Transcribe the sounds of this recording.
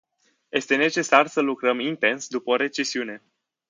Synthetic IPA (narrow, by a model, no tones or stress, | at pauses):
je̞st̪e̞ne̞t͡ʃe̞sarsəlukɾəmint̪e̞nsd̪upəoɾe̞t͡ʃe̞siune̞